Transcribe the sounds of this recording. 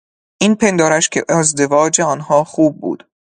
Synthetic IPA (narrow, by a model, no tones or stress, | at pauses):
ʔiːnpʰe̞nd̪ɒːɾæʃcʰḛʔezd̪e̞vɒːd͡ʒeɒːnhɒːxuːb̚ːṵːd̪̥